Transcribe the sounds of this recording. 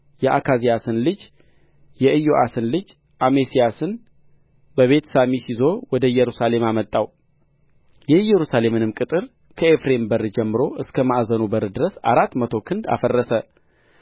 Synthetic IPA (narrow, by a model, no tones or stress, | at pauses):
jɛʔa̰kʰazijasɨnlɨd͡ʒ | jɛʔɨjoʔasɨnlɨd͡ʒ | ʔamesijasɨn | bəβe̞t̪samisizo̞wɔd̪əjɛɾusale̞mamət̪ʼːaw | jɛjːɛɾusale̞mɨnɨmkʼɨt̪ʼɨɾ | kʰəefɾe̞mbəɾd͡ʒɛmːɨɾo̞ʔɨskʰəmaʔzənubəɾd̪ɨɾəsa̰ɾat̪ːmət̪ʰokʰɨnd̪a̰fərːəsə